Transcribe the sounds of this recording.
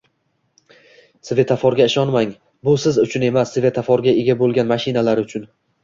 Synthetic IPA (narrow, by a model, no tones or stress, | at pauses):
sɪve̞t̪ʰafɒɾɡʲaɪʃɒnmaŋ | bʊsɪzʊt͡ʃʰʊne̞masːɪvʲe̞t̪ʰafɒɾɡʲaeɡʲabolˠɡʲanmaʃɪnalaɾʊt͡ʃʰʊn